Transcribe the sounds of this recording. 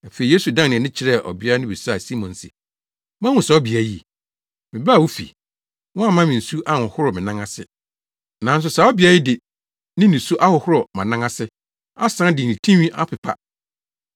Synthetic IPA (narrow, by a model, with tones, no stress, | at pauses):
a˨fe˨i˨je˦su˨dã˦ŋnɪ̃˨nɪ̃˦t͡ɕʰɪ˨ɾɛ˦˨ʔɔ̰˨bɪ˦a˦nɪ̃˦bi˨sa˨si˦mɔ̃˨nsɪ̰˨ | mã˦wʊ̃˨sa˨˦ɔ˦bi˨a˨˦i˦˨ | mɪ̃˨ba˦˨wo˦fḭ˨ | wɔ̃˦a˨mã˦mɪ̃˨n̩˨su˦ʔa˦˨hʊ̃˨hʊ˦ɾɔ˨mɪ̃˨nã˦ŋa˦sɪ˦ | nã˨n̩˦s̬ʊ˨sa˨˦ɔ˦bi˨a˦ɪ˦dɪ˨ | nɪ̃˦nĩ˨su˦ʔa˦hʊ˨hʊ˦ɾɔ˨mã˨nã˦ŋã˦sɪ˦ | a˦sã˦dɪ˨ĩ˨tʰĩ˦ɥĩ˦ʔa˦pʰɪ˨pʰa̰˦˨